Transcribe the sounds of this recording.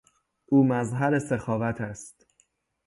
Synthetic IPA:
ʔuːmæzɦæɾe̞sexɒːvæt̪ʰæst̪

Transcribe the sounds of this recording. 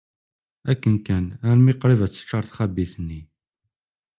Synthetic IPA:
ækːənkænæɾmiqɾˤivæt͡sːə̥t͡ʃːɑɾˤθχæbiθənːi

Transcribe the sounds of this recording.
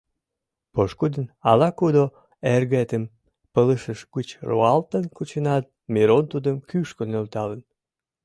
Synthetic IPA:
poʃkud̪ənɑlɑkud̪o | erɣet̪əm | pələʃəʃɡət͡ɕroɑlt̪ənkut͡ɕənɑt̪̚miɾont̪ud̪əmkyʃkonølt̪ɑlən

